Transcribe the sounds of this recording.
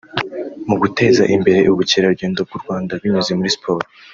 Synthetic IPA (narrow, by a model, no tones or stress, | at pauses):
muɡute̞ːzaʔimbe̞ɾe̞ʔuβuceɾaɾuɟe̞ːndob̚ɡuɾɡwaːndaβiɲuze̞muɾispʰo̞ːɾo